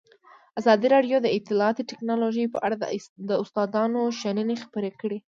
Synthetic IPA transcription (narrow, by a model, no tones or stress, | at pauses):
azɑd̪iɾɑɖjod̪əɪt̪ːɪlɑːt̪oʈɪknɑloʒəjpəʔaɽad̪əʊst̪ɑd̪ɑnoʃanənexḁpəɾekəɽe